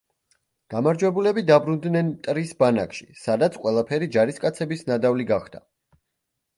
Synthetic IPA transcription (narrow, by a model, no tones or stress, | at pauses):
ɡ̥amaɾd͡ʒwɛbulɛbid̪abɾund̪nɛnt̪ʼɾisbana̰kʰʃisad̪at̪sʰqʼwɛlˠapʰɛɾid͡ʒaɾiskʼat̪sʰɛbisnad̪avliɡaχd̪̥a